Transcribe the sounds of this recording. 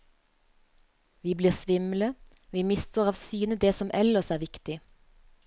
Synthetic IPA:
ʋiːbliːʁsʋɪml̩ə | ʋiːmɪst̪ʰoːʁɑːʋsyːnəd̪eːsɔmʔɛləsæːʁʋɪkt̪ɪ

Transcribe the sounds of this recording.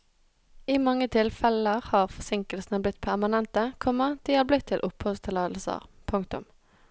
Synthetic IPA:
imɑŋːət̪ʰɪlfɛləʁhɑːʁfɔsɪŋkəlsn̩əblɪt̪̚ːpʰæʁmɑnɛnt̪əkʰɔmːəd̪̥iːhɑːblɪt̪ʰːɪlʔʊphɔst̪əlɑːd̪l̩sə̰ʁpʰʊŋkt̪ʊ̰m

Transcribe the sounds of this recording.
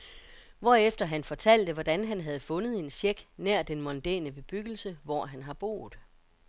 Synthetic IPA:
ʋɒːefd̥ɐɦænfɒ̽t͡sʰæl̰d̥əʋɒd̥ænɦænɦæð̞̩ˠfɔ̽nəð̞̩ˠe̝nsjeɡ̥næɐ̰d̥enmɒ̽nd̥ɛ̰ːnəb̥e̝b̥yɡ̥l̩səʋɒ̰ɦænɦɑ̈b̥o̝̰ːð̩ˠ

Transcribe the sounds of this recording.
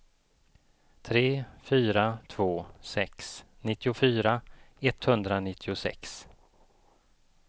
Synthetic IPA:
t̪ʰɾeːfyːɾat̪ʰvoːsɛksnɪt̪ːɪʊfyːɾa | ɛt̪hɵnd̪ɾanɪt̪ʰːɪʊsɛ̰ks

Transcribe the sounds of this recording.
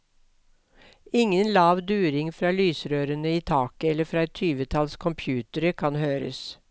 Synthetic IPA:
ɪŋənlɑːʋd̪ʉːɾɪŋfɾɑːlyːsɾøːɾənəiːt̪ʰɑːkəɛlːəfɾɑːɛt̪ʰyːʋət̪ʰɑlskʰɔmpʰjʉːt̪əɾəkʰɑnhøːɾə̰s

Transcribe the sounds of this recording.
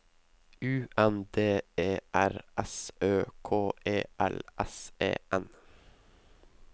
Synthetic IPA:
ʉːʔɛnd̪eːeːʔæɾɛsøːkʰoːʔeːʔɛlʔɛsḛːʔɛn

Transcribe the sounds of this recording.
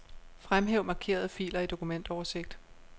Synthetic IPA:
fʁamɦeʊmɑ̈kʰe̝̰ːɐð̞ˠfḭːlɐid̥o̝kʰumen̰d̥ɒʊɐse̝ɡ̥̚d̥

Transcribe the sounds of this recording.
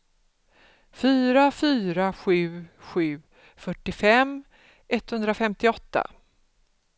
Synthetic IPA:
fyːɾafyːɾaɧʉ̟ːɧʉ̟ː | fœʈːɪfɛm | ʔɛt̪ːhɵnd̪ɾafɛmt̪ɪɔt̪ːa̰

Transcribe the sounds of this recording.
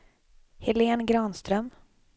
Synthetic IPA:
hɪleːnɡɾɑːnst̪ɾœm

